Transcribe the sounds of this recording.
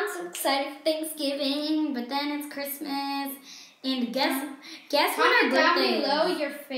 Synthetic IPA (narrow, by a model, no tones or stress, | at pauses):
ɪ̃msoʊɪksaɪɾɨ̃d̥̚θæ̃ŋksɡ̥ɪvɪ̃ŋbʌt̪̚ðɨ̃nɨtskʰɹ̥ɪsmɨs | ɨ̃nɡɛsɡ̥ɛswʌ̃nɡailoʊjə˞f